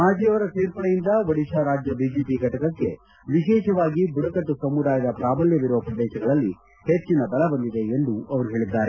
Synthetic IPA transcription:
maːd͡ʒijɐʋɐɾɐseːɾpɐɽɐjind̪ɐʋɐɽiʃaːɾaːd͡ʒjɐbiːd͡ʒeːpiɡʱɐʈɐkɐkːe̞ | ʋiʃɛːʃɐʋaːɡibuɽɐkɐʈːusɐmːud̪aːjɐd̪ɐpɾaːbɐljɐʋiɾuʋɐpɾɐd̪ɛːʃɐɡɐɭɐlːi | het͡ʃːinɐbɐlɐbɐnd̪id̪e̞end̪uɐʋɐɾuɦeːɭid̪ːaːɾe

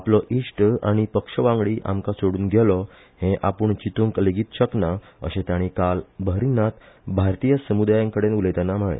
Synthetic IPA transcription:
aplɔʔiʂʈa̰ɽ̃ipəkʂəʋãŋɡɭiːʔa̰mkasoɽuːnɡʱɛlɔ | hẽʔapuɳt͡ɕit̪õŋkəleɡiːt̪ɕəkna | ə̰ɕẽt̪jaɽ̃ikalbʱəɾinat̪ | bʱaɾt̪ijəsəmud̪ajãŋkəɽenulet̪anam̤əɭḛ

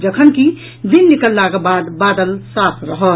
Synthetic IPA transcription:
d͡ʒəkʰənki | d̪inːikəlːaɡəbaːd̪bad̪əlsapʰɾəɦə

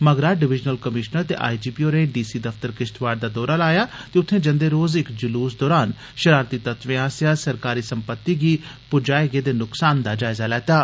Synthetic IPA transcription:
məɡɾaːɖɪʋɪd͡ʒnəlkəmɪʃnəɾt̪ḛːʔa̰ːid͡ʒiːpioːnẽɖiːsiːd̪əfʰt̪əɾkɪʃt̪ʰʋaːɖd̪aːd̪ɔːɾaːlaːjaːt̪eːʊt̪ʰːẽːd͡ʒə̃nd̪eːɾoːzɪkd͡ʒʊluːsd̪ɔːɾaːn | ʃəɾaːɾt̪it̪ət̪ʋẽːɦaːsɪjaːsəɾkaːɾiːsəmpət̪ːiɡiː | pʊd͡ʒaːɪɡeːd̪eːnʊksaːnd̪aːd͡ʒaːɪzaːlɛːt̪aː

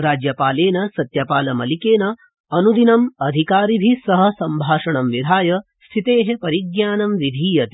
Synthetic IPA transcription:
ɾaːd͡ʒjɐpaːleːnɐsɐt̪jɐpaːlɐmɐlikeːnɐ | ɐnud̪inɐmɐd̪ʱikaːɾibʱisɐɦɐ̆sɐmbʱaːʃɐɳɐmʋid̪ʱaːjɐ | st̪ʰit̪eːɦepɐɾiɡjaːnɐmʋid̪ʱiːjɐt̪i

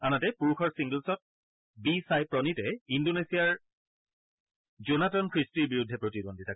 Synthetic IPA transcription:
anatɛpuɹuxʰɔɹsiŋɡəlsɔt̚ | bisajpɹɔnitɛindonesijaɹ | zonatɔnkʰɹistiɹbiɹudʱːɛpɹotidondʱitʰa

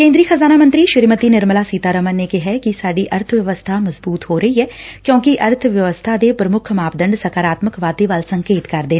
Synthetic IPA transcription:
kẽːnd̪ɾiːxəzaːnaːmə̃nt̪ɾiːʃɪɾmət̪iːnɪɾməlaːsiːt̪aːɾəmənnekɪɦɛːkɪsaːɖiʔəɾt̪ʰʋjəʋəst̪ʰaːməzbuːt̪ɦoːɾəiɦɛːkjõːkiʔəɾt̪ʰʋjəʋəst̪ʰaːd̪eːpɾəmʊkʰmaːpd̪əɳɖsəkaːɾaːt̪məkʋaːd̪eʋəlsə̃ŋkeːt̪kɐɾd̪eː

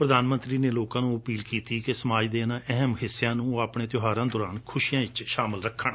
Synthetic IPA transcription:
pɾəd̪aːnmə̃nt̪ɾiːneːloːkãːnũːəpiːlkiːt̪iːkesəmaːd͡ʒd̪eːnãːʔɛɦəmhɪsːejãːnũːaːpɳeːt̪jʊɦaːɾãːd̪ɔːɾaːnkʰʊʃiːjãːɪt͡ʃʃaːmɪlɾəkʰːəɳ

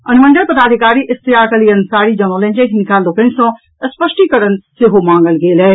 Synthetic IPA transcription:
ɐnmə̃nd̪əɾpɐd̪aːd̪ʱɪkaːɾiʔɪst̪ijaːkəliɐnsaːɾid͡ʒɐnoːlẽːnd͡ʒẽɦɪnɪkaːlːokẽnsõ | ɐspəʃʈikəɾənseɦomãːŋɡəlɡeːlɦɛː

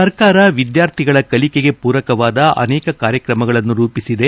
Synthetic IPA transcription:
sɐɾkaːɾɐʋid̪jaːɾt̪ʰiɡɐɭɐkɐlikeɡe̞puːɾɐkɐʋaːd̪ɐʔɐ̰nɛːkɐkaːɾjɐkɾɐmɐɡɐɭɐnːuɾuːpisid̪e̞

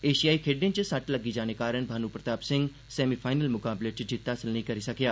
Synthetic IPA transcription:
eːʃijaːikʰeːɖẽnt͡ʃsɐʈləɡid͡ʒaːñekaːɾəñbʱaːnuːpɾət̪aːpsɪ̃ŋɡ | sɛːmipʰaːɪnəlmʊkaːbleːd͡ʒiːt̪ːaɐsəlnəĩkɐɾisɐkjaː

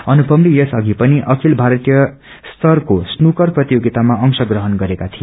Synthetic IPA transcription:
ʌnupʌmlijʌsʌɡʱipʌniʔʌkʰilbʱaɾʌt̪ijʌ | st̪ʌrkosnukʌrprʌt̪ijoɡit̪amaʔʌŋsʌɡrʌɦʌnɡʌɾekat̪ʰijo

